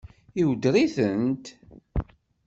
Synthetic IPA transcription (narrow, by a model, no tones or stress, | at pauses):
iwd̪ɾiθənt̪